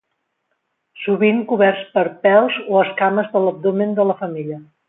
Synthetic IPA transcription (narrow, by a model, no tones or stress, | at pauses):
suβiŋkuβɛɾspəɾpɛlˠzoəskaməzðələb̚d̪omend̪ələfəmiʎə